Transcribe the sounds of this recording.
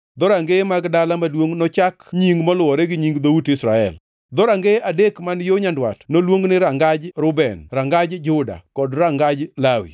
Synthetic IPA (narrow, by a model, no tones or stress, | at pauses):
d̪ɔɾaŋɡemaɡdalamalwoŋnɔt͡ʃakɲiŋɡmɔlʊɔɾɛɡɪɲiŋɡd̪outɪsɾaɛ̰l | d̪ɔɾaŋɡeadekmanjoɲandwa̰tnolwoŋnɪɾaŋɡad͡ʒɾʊbɛnɾaŋɡad͡ʒd͡ʒʊda̰kɔdɾaŋɡad͡ʒlawḭ